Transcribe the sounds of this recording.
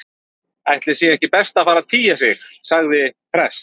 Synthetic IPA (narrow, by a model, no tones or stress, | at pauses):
ajht̪lɪɾ̥sjɛɛhcɪpɛst̪afaːɾaðt̪ʰiːjas̬jɛxsaɣðɪpʰɾɛst̪